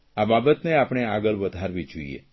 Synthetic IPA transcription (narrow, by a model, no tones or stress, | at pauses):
ababət̪neapɳ̃eaɡəlʋəd̪ʱaɾʋid͡ʒoḭḛ